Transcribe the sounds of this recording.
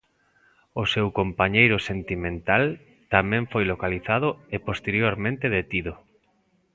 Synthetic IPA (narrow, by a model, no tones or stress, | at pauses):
osewkompaɲejɾʊsent̪imẽnt̪al | t̪amɛ̃ɱfojlokaliθaðʊepost̪eɾjoɾmẽnt̪eðet̪iðʊ